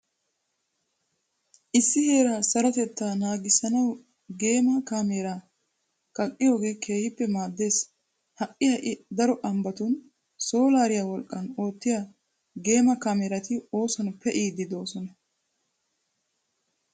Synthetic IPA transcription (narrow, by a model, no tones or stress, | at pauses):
ʔɪsːɪhe̞ːɾaːsɐɾɐt̪ɛt̪ːaːnaːɡɪsɐnɐw | ɡe̞ːmɐkaːmeːɾa | kɐkʼːɪjo̞ːɡe̞ːkʰe̞ːhɪpːɛmaːd̪ːe̞ːs | hɐʔʼɪhɐʔɪd̪ɐɾɔʔɐmbɐt̪ʊn | so̞ːlaːɾɪjawɔlkʼːɐno̞ːt̪ːɪja | ɡe̞ːmɐkameːɾɐt̪ɪo̞ːsɔnpɛʔiːd̪ɪd̪o̞ːsɔnɐ